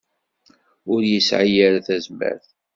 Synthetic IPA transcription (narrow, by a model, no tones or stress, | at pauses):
ʊɾjəsʕəjəɾθæzmæ̰ɾθ